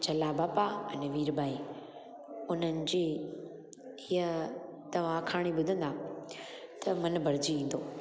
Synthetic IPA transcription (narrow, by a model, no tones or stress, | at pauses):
t͡ɕɐlabaːpaɐnɛʋiːɾbaːi | ʊn̤ənɪ̆d͡ʑiː | hiə | t̪ɐʋ̤ãkʰaːɽ̃ibʊd̪ʱə̃nd̪aː | t̪ɐmɐnbʱɐɾɪd͡ʑiĩːn̆d̪oː